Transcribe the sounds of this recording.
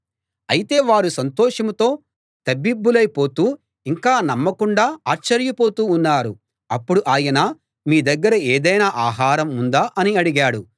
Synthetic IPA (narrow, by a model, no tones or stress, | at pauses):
ɐjit̪e̞ːʋaːɾusɐnt̪ɔːʂɐmut̪o̞ː | t̪ɐbːibːulɐjpo̞ːt̪uː | iŋkaːnɐmːɐkuɳɖaːaːɾt͡ʃːɐɾjɐpo̞ːt̪uːnːaːɾu | ɐpːuɽuʔaːjɐnaː | miːd̪ɐɡːɐɾɐeːd̪ɐjnaːʔaːɦaːɾɐmund̪aːʔɐniɐɽiɡaːɽu